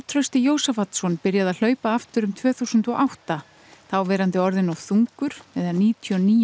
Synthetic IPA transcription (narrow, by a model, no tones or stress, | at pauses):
t̪ʰɾœɥst̪ɪjoːwsafat̪sɔnpɪɾjaðaðl̥œːɥpaaft̪ʏɾʏmt̪ʰvœːθusʏnt̪ɔʔawht̪a | θawvɛːɾant̪ɪɔɾðɪnawθuŋkʏɾ̥ɛðaniːt̪ʰiɔniː